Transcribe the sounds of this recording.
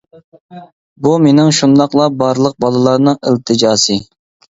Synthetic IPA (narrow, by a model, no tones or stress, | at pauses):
bumenɪŋʃund̪ɑqlˠɑbɑɾlˠəq̚bɑlˠɨlˠɑɾnɨŋɪlt̪ʰɨd͡ʒɑːsɨ